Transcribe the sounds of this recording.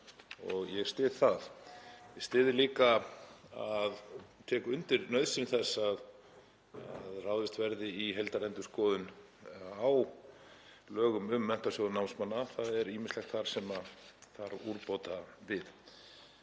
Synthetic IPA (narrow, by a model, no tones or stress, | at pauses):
ɔɣjɛɣst̪ɪːðθaðjɛst̪ɪːðɪliːkaaðt̪ʰɛːkʏʏnt̪ɪɾnœɥðsɪnɪθɛsːað | aðraːwðɪst̪vɛɾðɪiɦɛlt̪aɾɛnt̪ʏ̥skɔːðʏn | aw | lœːɣʏmʏmːɛn̥t̪aɾsjowðʏnawnsmanːaθaðɛɾiːmɪnstlɛxkt̪θaɾ̥sɛmaθaɾuɾpoːt̪avɪð